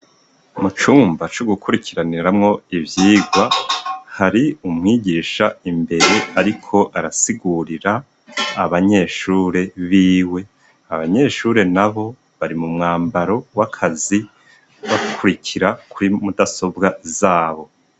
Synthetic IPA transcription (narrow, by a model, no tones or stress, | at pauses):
mut͡ʃuːmbat͡ʃoɡukuɾikʰiɾaniɾamŋo̞ivjiːɡwahaɾiumŋiːɟiːʃaimbe̞ɾe̞aɾikʰo̞ʔaɾasiɡuɾiɾaː | βaɲe̞ːʃuːɾe̞βiːwe̞ | aβaɲe̞ːʃuːɾe̞naβo̞ | βaɾimumŋaːmbaɾo̞wakʰazi | βakʰuɾikʰiɾakʰuɾimudaso̞bɡazaːβo̞